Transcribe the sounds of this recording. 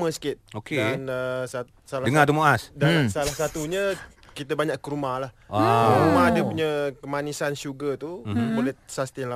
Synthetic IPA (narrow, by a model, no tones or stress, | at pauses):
məsə̥kɪt̪̚okedanəsa | saladəŋat̪umoʔasdansalahsat̪uɲə | kit̪əbaɲaʔkəɾumahlahaɾumadəpuɲəkəmanisanʃuɡət̪ubolɛsast̪iŋla